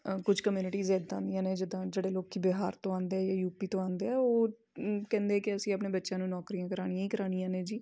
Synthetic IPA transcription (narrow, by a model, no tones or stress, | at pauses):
kʊd͡ʒkəmjuːnɪʈiːzeːd̪ãːnd̪ijãːnẽːd͡ʒɪd̪ãːd͡ʒeːɽeːloːkiːbeːɦaːɾt̪õːãːnd̪eːɛːjaːjuːpiːt̪õːãːnd̪eːɛːoː | kɛ̃ːnd̪eɛːkɪəsĩːəpneːbətːʃãːnũːnɔːkɾiːãːkəɾaːɽ̃ijãĩːkəɾaːɽ̃ijãːneːd͡ʒiː